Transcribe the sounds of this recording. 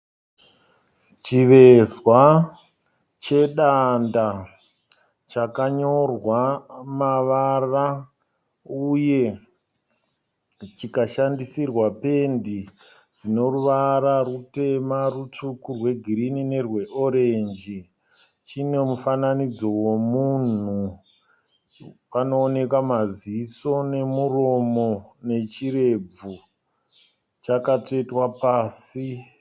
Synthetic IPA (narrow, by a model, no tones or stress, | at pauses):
t͡ʃiʋe̞zwa | t͡ʃe̞ɗanda | t͡ʃakaɲo̞rwamaʋara | uje̞ | t͡ʃikaʃandisirwape̞ndi | d͡zino̞ruʋaɾarute̞marut͡ʂukurwe̞ɡʱiɾinine̞rwe̞ʔo̞ɾe̞nd͡ʒi | t͡ʃine̞mufananid͡zo̞womun̤u | pano̞ːne̞kamaziːso̞ne̞muro̞mo̞ne̞t͡ʃire̞b͡vu | t͡ʃakat͡ʂe̞itwapaːsi